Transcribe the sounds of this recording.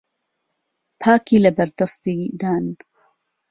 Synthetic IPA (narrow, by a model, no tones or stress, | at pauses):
pʰaːkiːlɐbɐɾd̪ɐst̪iːd̪aːnbu